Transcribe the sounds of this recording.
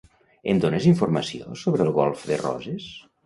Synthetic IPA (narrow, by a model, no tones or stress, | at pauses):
end̪oneziɱfurməsio̰soβɾəːlˠɣɔlˠfðḛrɔ̰zes